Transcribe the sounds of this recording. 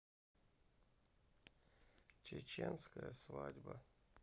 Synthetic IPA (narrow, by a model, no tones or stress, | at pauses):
t͡ʃet͡ʃenskəjəsvadʲbɐ